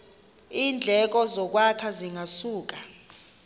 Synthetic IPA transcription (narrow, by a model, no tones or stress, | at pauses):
iːnd͡ɮʱɛk̬ɔzɔk̬wakʰaziŋʱasuːk̬a